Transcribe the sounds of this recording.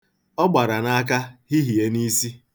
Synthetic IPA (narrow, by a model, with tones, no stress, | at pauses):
ɔ˦ɡ͡ba˨ɾa˨na˦a˦k̬a˦ɦi˦ɦi˨e˦ni˦si˦